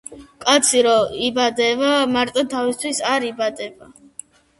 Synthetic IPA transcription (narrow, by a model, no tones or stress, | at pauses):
kʼat̪sʰiɾɔibad̪ɛvamaɾt̪ʼɔt̪ʰavist̪ʰwisaɾibad̪ɛva